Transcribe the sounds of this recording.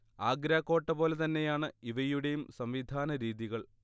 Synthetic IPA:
aːɡɾaːkːo̞ːʈːɐpo̞ːlet̪ɐnːe̞jaːɳɨiʋɐjuɽe̞jumsɐmʋid̪ʱaːnɐɾiːðiɣɐɭ

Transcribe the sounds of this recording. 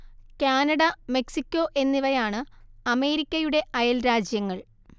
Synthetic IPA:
kʲaːnɐɽɐme̞ksikʲːo̞ːʔe̞nːiʋɐjaːɳɨɐme̞ːɾikʲːɐjuɽe̞ʔɐjɐlɾaːd͡ʑjɐŋːɐɭ

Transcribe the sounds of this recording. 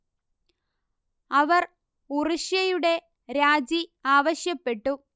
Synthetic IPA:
ɐʋɐr | uriʂjɐjuɽe̞ | ɾaːd͡ʑiaːʋɐɕjɐpːe̞ʈːu

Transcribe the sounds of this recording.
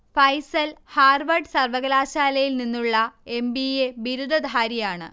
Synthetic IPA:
fɐjsɐlhaːrʋɐrɖɨsɐrʋɐɣɐlaːɕaːlɐjilninːuɭːɐe̞mbiebiɾud̪ʱɐd̪ʱaːɾijaːɳɨ̰

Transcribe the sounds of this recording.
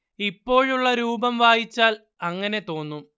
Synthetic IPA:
ipːo̞ːɻuɭːɐɾuːbɐmʋaːjit͡ɕːaːl | ɐŋːɐne̞t̪o̞ːnːu

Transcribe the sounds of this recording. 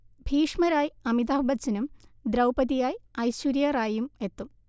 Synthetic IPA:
bʱiːʂmɐɾaːjiɐmid̪aːbɐt͡ɕːinumd̪ɾɐwpɐðijaːjɐjɕuɾjɐraːjume̞t̪ːum

